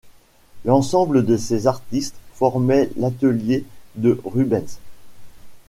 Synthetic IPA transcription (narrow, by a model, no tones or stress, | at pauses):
lɑ̃sɑ̃bləd̪əsezaʁt̪ist̪fɔʁmɛlat̪əljed̪əʁybɛ̃nz